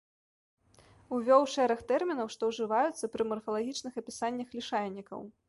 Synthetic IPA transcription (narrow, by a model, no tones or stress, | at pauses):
uvʲɔwʂɛɾɐxt̪ɛrmʲinɐwʂt̪ɔwʐɨvajut̪sːɐpɾɨmɔrfɐlˠaɣʲit͡ʂnɨxɐpʲisanʲːɐxlʲiʂajʲnʲːikɐ̰w